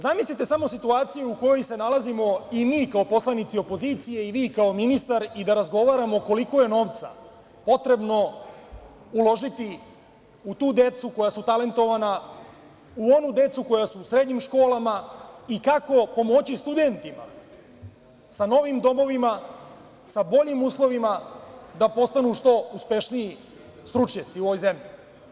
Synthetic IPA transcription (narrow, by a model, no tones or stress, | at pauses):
zamislit̪e̞samo̞sit̪uaːt̪sijeuko̞jo̞jse̞nalazimo̞imiːkao̞po̞slanit̪sio̞po̞ziːt̪sije̞iʋiːkao̞minist̪aɾid̪aɾazɡo̞ʋaɾamo̞ko̞liko̞je̞no̞ʋt̪sa̰ | po̞t̪ɾe̞bno̞ | ulo̞ʒit̪i | ut̪uːd̪e̞t̪suko̞jasut̪ale̞nt̪o̞ʋana | uo̞nud̪e̞t̪suko̞jasuːsɾe̞d̪ɲimʃko̞ːlamaikako̞po̞mo̞t͡ɕist̪ud̪e̞nt̪ima̰ | sano̞ʋimd̪o̞mo̞ʋima | sabo̞ʎimuːslˠo̞ʋimad̪apo̞st̪anuʃt̪o̞uspe̞ʃniji | st̪ɾut͡ʂɲat̪siuoʋo̞jze̞mʎi